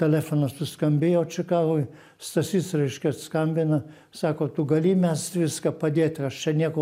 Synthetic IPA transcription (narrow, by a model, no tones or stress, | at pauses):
t̪ʲɛlʲæːfoːnɐst̪ʊskɐmʲbʲejɛːt͡ʃʲɪkɑːʋʊɪ | st̪ɐsʲiːt̪srɐɪʃʲkʲɛskɐmʲbʲɪnɐ | sɑːkoːt̪ʊɡɐlʲiːmʲɛsʋʲɪskɐpɐd̪ʲeːt̪ʲɐʃt͡ʃʲɛnʲiɛko